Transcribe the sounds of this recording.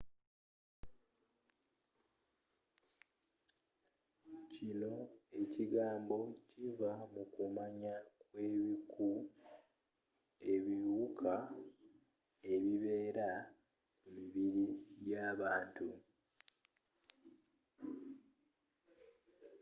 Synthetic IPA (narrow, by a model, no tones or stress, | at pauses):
cino̞e̞ciɡaːmbo̞civamukumaɲakwe̞ːβiku | e̞βiwukʰa | e̞βiβe̞ːɾa | umiβiɾijaːβaːntu